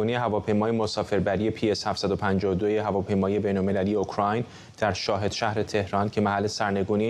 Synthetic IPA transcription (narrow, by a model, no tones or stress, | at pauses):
unieɦævɒːpʰe̞jmɒːje̞mo̞sɒːfe̞ɾbæɾije̞pʰie̞shæft̪sæd̪opʰænd͡ʒɒːod̪ojeɦævɒːpʰe̞jmɒːije̞be̞jnolme̞lælije̞okʰɾɒjn | d̪̥æɾʃɒːɦe̞d̪̥ʃæhɾe̞t̪ʰe̞hɾɒːncʰe̞mæɦælːesæɾne̞ɡuːni